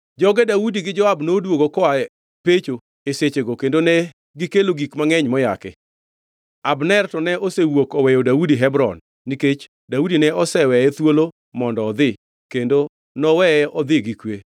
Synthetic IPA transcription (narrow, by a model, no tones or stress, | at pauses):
d͡ʒɔɡɛdawudiɡɪd͡ʒɔabnodwoɡokɔaɛ | pet͡ʃo | eset͡ʃeɡokendonɛ | ɡɪkeloɡikmaŋɛɲmɔja̰kɛ̰ | abnɛrtɔnɛʔosewokɔwɛjodaudiɦɛbɾɔ̰nː | iket͡ʃ | daudinɛɔsɛwɛjɛt̪wolo | mɔndɔːd̪ɪ | kendo | nɔwɛɛʔɔd̪ɪɡikwe